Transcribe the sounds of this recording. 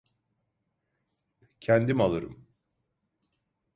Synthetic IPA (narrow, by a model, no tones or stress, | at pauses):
cʰænd̪imalˠɯɾɯ̰m